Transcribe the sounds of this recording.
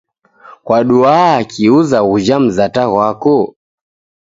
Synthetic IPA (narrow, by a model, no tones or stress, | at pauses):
kwaɗuaːkiuzaɣud͡ʒam̩zataɣwakɔ